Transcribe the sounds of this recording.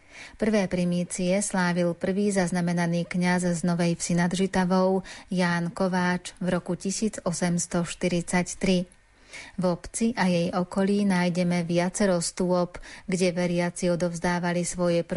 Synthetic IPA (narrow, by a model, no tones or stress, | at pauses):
pr̩ʋɛːpɾimiːt͡siɛslaːʋilpr̩ʋiːzaznamɛnaniːkɲazznɔʋɛjfsinad̪ʒit̪aʋɔʊjaːnkɔʋaːt͡ʃvɾɔkucisiːd͡zɔsɛmst̪ɔʃt̪iɾit͡sact̪ɾi | vɔpt͡siʔajɛjɔkɔliːnaːjɟɛmɛʋɪat͡sɛɾɔst̪ʊɔpɡɟɛʋɛɾɪat͡siɔd̪ɔʊzd̪aːʋalisʋɔjɛpɾ